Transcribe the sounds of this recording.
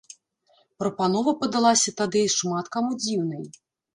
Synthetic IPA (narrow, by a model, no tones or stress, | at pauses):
pɾɐpanɔvɐpɐd̪alˠasʲɐt̪ad̪ɨʂmat̪kamud͡zʲiwnɨj